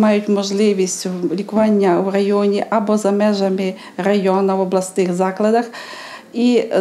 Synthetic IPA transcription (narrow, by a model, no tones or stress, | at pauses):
mɑjʊtʲmɔʒlˠɪʋʲisʲtʲʊlʲikʊʋanʲːɐuɾɐjɔnʲiʔabɔzɐmɛʒɐmɪ | ɾɐjɔnɐwɔblˠɐst̪ɪxzɑklˠɐd̪ɐx | i